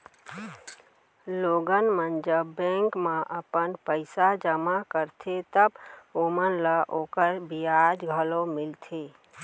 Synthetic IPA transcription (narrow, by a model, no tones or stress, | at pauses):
loɡənmənd͡ʒəbːɛ̃ŋkmãʔəpənpəɪsad͡ʒəmakəɾt̪ʰet̪əbomənlaʔoːkəɾbʱiad͡ʒɡʱəlomɪlt̪ʰe